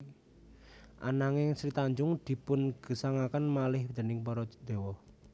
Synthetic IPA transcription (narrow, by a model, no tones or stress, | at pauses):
ʔa̰naŋɪŋsɾit̪aɲd͡ʒʊŋd̪̥i̤pʊnɡ̥ə̤saŋakanmalɪhd̪ə̤nɪŋpɔɾɔd̪̥e̤wɔh